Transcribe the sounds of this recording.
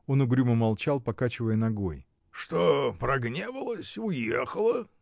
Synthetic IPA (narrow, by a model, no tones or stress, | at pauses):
o̞nʊɡɾʲuməmalˠt͡ɕalˠpɐkat͡ɕɪvəjənɐɡo̞j | ʂt̪opɾɐɡnʲevəlˠəsʲʊjexəlˠə